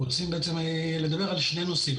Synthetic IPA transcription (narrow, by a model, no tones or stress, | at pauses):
ot͡simbe̞et͡sem | le̞d̪abe̞ʁalʃne̞jno̞sim